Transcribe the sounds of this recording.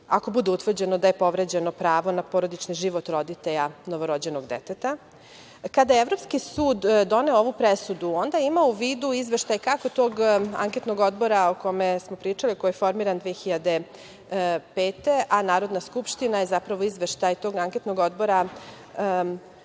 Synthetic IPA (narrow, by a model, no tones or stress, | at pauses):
ako̞bud̪eut̪ʋr̩d͡ʑe̞nod̪aje̞po̞ʋɾe̞d͡ʑe̞no̞pɾaːʋo̞napoɾo̞d̪it͡ʃniʒiʋo̞t̪ɾo̞d̪it̪eʎano̞ʋo̞ɾo̞d͡ʑe̞no̞ɡd̪ḛt̪et̪a | kad̪ajeʋɾo̞pskisuːd̪dːone̞ooʋupɾesud̪uo̞nd̪aimauʋiːd̪uizʋe̞ʃt̪ajkako̞t̪oɡa̰ŋke̞t̪no̞ɡo̞d̪bo̞ɾaoko̞mesmo̞pɾiːt͡ʂalikojefo̞ɾmiɾand̪ʋixiʎad̪e̞ | pe̞ːt̪e̞ʔanaːɾo̞d̪naskupʃt̪inajezapɾaʋo̞izʋeʃt̪ajt̪o̞ɡaŋket̪noɡo̞d̪bo̞ɾa